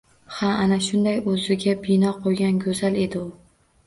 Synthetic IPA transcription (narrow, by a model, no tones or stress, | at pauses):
haanaʃʊnd̪ajɵzɪɡʲabɪnɒqʰojɡʲanɡʲɵzale̞d̪ɪʊ